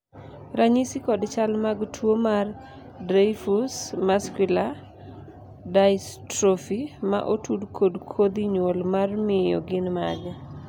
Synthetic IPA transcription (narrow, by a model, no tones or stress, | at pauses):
ɾaɲisikɔdt͡ʃalmaɡtʰwomar | dɾajfusmaskwɪla | dajstɾofima̰ʔotudkʰodkʰod̪iɲwolmarmɪjɔ̰ɡɪnmaɡa